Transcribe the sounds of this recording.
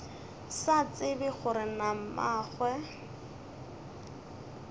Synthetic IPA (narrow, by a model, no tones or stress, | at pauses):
sat͡sɪbɪχʊɾɪnam̩maːχwɛ